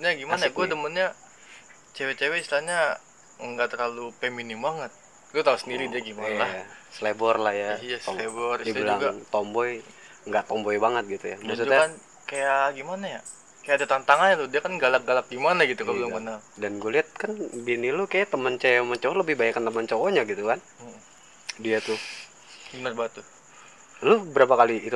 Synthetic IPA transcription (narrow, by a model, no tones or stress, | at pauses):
ɲaɡimanaɡuadəmənɲa | t͡ʃewɛt͡ʃewɛist̪ilalɲa | ŋɡaʔt̪ərlalupeminimbaŋət̪̚ | ɡuat̪ausəndiɾidiaɡimanjlajasəlebɔrlahjaijasɔlebɔridiilaŋɡat̪ɔmbɔj | ŋɡaʔt̪ɔmbɔjbaŋət̪̚ɡit̪ujammas̬utd͡ʒuaan | kajaɡimanaja | kajadat̪aŋnt̪aŋanɲatʊdiakanɡalak̚ɡalak̚ɡimanaɡit̪uabilaŋbənaldanɡoliɦat̪̚kanbinilukajat̪əmənt͡ʃaɔmənt͡ʃoɔləbɪhbajakant̪əmənt͡ʃoɔɲaɡit̪ukan̩ | diat̪u | bənərbat̪u | lubəɾapakaliːt̪u